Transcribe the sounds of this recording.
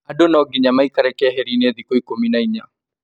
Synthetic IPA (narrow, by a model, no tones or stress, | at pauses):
adonɔɡiɲamaikaɾɛkɛɦɛɾineðikoikominaiɲa